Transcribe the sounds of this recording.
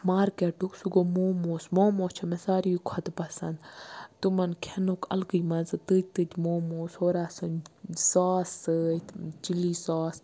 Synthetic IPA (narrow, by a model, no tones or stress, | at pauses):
maːɾkeʈuksuɡomoːmoːsmoːmoːt͡ʃʰɐmesaːɾikʰɐt̪pɐsɐnd̪t̪umɐnkʰenokɐ̰lɡɨjmɐnzɨt̪ɨt̪ɨt̪ʲmoːmoːshoːɾaːsɨnsaːsɨt͡ʃiliːsaːs